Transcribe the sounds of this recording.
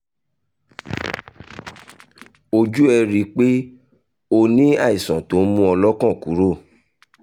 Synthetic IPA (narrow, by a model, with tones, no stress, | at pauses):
o˧d͡ʒu˦ɛ˧ɾi˧k͡pe˦ | o˧nĩ˦a˦˨i˨sã˨to˨˦mũ˦ɔ˧lɔ˦kɔ̃˦˨ku˨˦ɾo˦˨